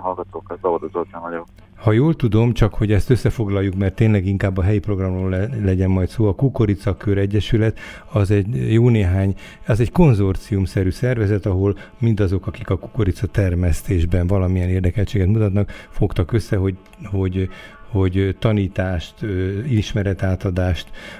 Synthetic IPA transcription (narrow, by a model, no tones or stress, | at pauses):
ɦɒlɡɒt̪oːkɒt̪bɛod̪ozot̪amɒɟɔ | hɒjoːlt̪ud̪o̞mt͡ʃɒkho̞ɟɛst̪øsːɛfo̞ɡlɒjːukmɛrt̪ːeːnlɛɡiŋkaːbːɒɦɛjipro̞ɡrɒmroːllɛɟɛnmɒjt̪soːɒkuko̞ɾit̪sɒkøɾɛɟːɛʃylɛt̪ | ɒzɛɟjoːneːɦaːɲ | ɒzɛɟko̞nzo̞rt̪siumsɛɾyːsɛrvɛzɛt̪ɒɦo̞lmind̪ɒzo̞kɒkikɒku̥ko̞ɾit̪sɒt̪ɛrmɛst̪eːʒbɛnvɒlɒmijɛneːrd̪ɛkɛlt͡ʃeːɡɛt̪mut̪ɒt̪nɒkfo̞kt̪ɒkøsːɛɦo | ho̞ɟho̞ɟt̪ɒniːt̪aːʃt̪øiʃmɛɾɛt̪aːt̪ɒd̪aːʃt̪